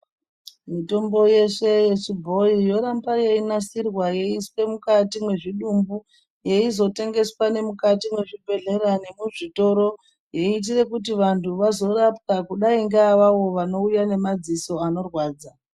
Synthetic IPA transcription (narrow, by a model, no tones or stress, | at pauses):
mito̞mbo̞je̞ʂe̞je̞t͡ʃibʱo̞ijo̞ɾambaje̞inasirwaje̞iswe̞mukatimwe̞ʐiɗumbu | je̞izo̞te̞ŋɡe̞swane̞mukatimwe̞ʐibʱe̞ɮe̞ɾane̞muʐito̞ɾo̞ | je̞it̬ire̞kutiʋantʰuʋazo̞rap̚kakuɗaiŋɡaːʋaʋo̞ʋano̞ujane̞mad͡ziso̞ano̞rwaːd͡za